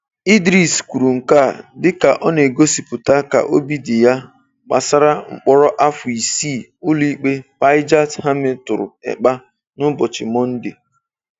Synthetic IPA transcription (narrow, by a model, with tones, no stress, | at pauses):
i˦dɾi˦skʷu˨ɾu˨ŋ̩˨ka˦˨dɪ˦ka˨ʔɔ˦ne˨ɡo˦si˨pʊ˨ta˦ka̰˨ʔo˦bi˦dɪ˨ja˦ | k͡pa̰˨sa˦ɾa˦ŋ͡m̩˨k͡pɔ˦ɾɔ˦ʔa˦fʊ˨i˨si˦˨ | ʊ˦li˦k͡pe˦pa˦ɪ˦d͡ʒa˦tha˦mɪ˦tʊ˨ɾʊ̰˨ɛ̰˨k͡pa˦ | nʊ˦bɔ˨t͡ʃɪ˨mɔ˦n̩˦dɪ˨